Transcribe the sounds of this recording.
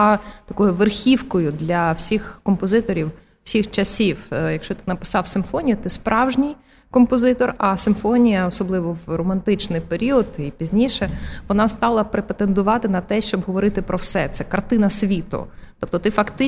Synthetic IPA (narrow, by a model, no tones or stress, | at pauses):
t̪ɐkɔjʊʋerxʲiwkɔjʊd̪lʲɐwsʲixkɔmpɔzɪt̪ɔɾʲiw | sʲixt͡ʃɐsʲiwjɐkʃt͡ʃɔt̪ɪnɐpɪ̥sɑwsɪmfɔnʲijʊt̪ɪspɾʔɑwʒnʲij | kɔmpɔzɪt̪ɔrɐsɪmfɔnʲijɐɔsɔblˠɪʋɔwrɔmɐnt̪ɪt͡ʃnɪjpeɾʲiɔd̪ipʲizʲnʲiʃɛʋɔnɑst̪ɑlˠɐpɾepet̪end̪ʊʋɑt̪ɪnɐt̪ɛʃt͡ʃɔbɦɔʋɔɾɪt̪ɪpɾɔwsɛt̪sɛkɐrt̪ɪnɐsʲʋʲit̪ʊ̰t̪ɔp̚t̪ɔt̪ɪfɐkt̪ɪ